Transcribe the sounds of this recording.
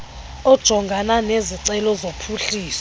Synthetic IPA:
ɔd̥ʒ̥ʱɔŋɡʱananeziǀɛlɔzopʰuɬiːsɔ̥

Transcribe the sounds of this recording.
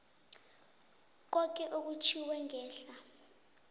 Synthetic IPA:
k̬ɔk̬ʼɛʔok̬ut͡ʃʰiwɛŋɛːɬa

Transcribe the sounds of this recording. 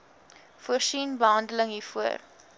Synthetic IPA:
fuərsinbəɦɐndələŋɦiːfuər

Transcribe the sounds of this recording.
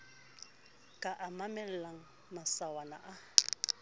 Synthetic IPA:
kʼaʔamamɛlɛlaŋ̩ | masawana̰ʔa

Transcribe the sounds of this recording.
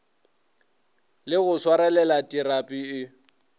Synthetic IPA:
lɪɣʊswaɾɛlɛlatʼiɾapʼiɪ

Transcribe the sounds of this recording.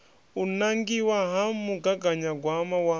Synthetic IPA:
unaŋɡiwaɦamuɡaɡaɲaɡwamawa

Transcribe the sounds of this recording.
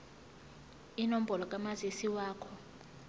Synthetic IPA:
inom̩bʱɔlɔkʼamazesiwaːkʰɔ

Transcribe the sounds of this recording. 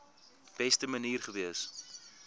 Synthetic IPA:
b̥ɛstəməniːrχəviəs

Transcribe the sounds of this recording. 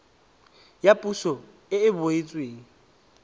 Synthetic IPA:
japʼusɔ | ɪɪbʊɪt͡sʼweːŋ̩

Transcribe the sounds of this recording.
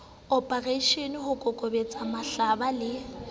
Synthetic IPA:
ɔpʼareiʃenɪhʊkʼɔkʼobet͡sʼamaɬabalɪ

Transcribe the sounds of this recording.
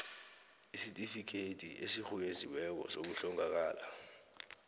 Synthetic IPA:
isitʼifikʰetʰʼiʔesik͡xujezʱiwɛk̬ɔ̰sok̬uɬɔŋak̬aːla

